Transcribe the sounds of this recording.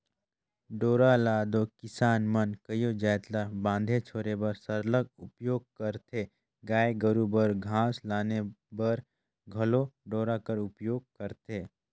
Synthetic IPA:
ɖoːɾalaːd̪okɪsaːnmənkəjod͡ʒɛːt̪labãːnd̪ʱet͡ʃʰoːɾebəɾsəɾləɡʊpjoːɡ̚kəɾt̪ʰe | ɡaːeɡəɾubəɾɡʱãːslaːnebəɾ | ɡʱɐloɖoːɾakəɾʊpjoːɡ̚kəɾt̪ʰeː

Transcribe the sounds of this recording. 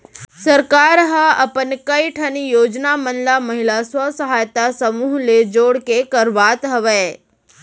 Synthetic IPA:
sɐɾkaːɾɦəɐpənkɐiʈʰɐnijoːd͡ʒnamənlamɐɦɪlaswəsəɦaːjt̪asɐmuːɦled͡ʒoːɽkekɐɾʋaːt̪ɦɐʋɛː

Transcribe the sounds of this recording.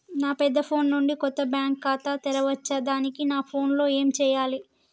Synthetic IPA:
naːpɛd̪ːɐpʰo̞ːnːuɳɖikɔt̪ːɐbjaːŋkːaːt̪aːt̪ɛɾɐʋɐt͡ʃːɐd̪aːnikinaːpʰo̞ːnlo̞ːe̞ːmt͡ʃɛːjaːli

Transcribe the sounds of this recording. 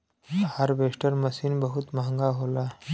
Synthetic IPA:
həɾbesʈəɾməsiːnbəɦut̪maŋɡaɦola

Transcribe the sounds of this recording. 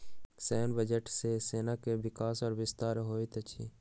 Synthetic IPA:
sɛːnbəd͡ʒəʈseseːnakeʋɪkaːsɔːɾʋɪst̪aːɾɦoːit̪ət͡ʃʰḭː

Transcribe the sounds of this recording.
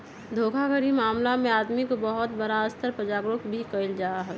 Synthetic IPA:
d̪ʱoːkʰaɡəɾimaːmlamẽaːd̪mikobɐɦʊt̪bəɾaəst̪əɾpɾəd͡ʒaːɡɾʊkbʱikəɪld͡ʒaːaɦɛː

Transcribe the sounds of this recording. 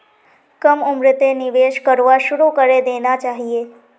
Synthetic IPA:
kəmʊmɾɪt̪enɪʋeʃkəɾʋaʃuɾukəɾed̪enat͡ʃaɦie

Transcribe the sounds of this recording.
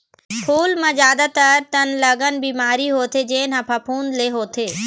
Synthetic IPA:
kʰuːlmãzjaːd̪at̪ɐɾt̪ɐnlɐɡənbiːmaːɾiɦoːt̪ʰed͡ʒeːnɐ̃pʰapʰuːnd̪leɦoːt̪ʰeː

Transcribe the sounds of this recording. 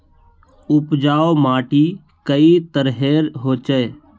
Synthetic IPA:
ʊpd͡ʒaːomaːʈi | kəit̪əɾɦeːɾɦoːt͡ʃəe

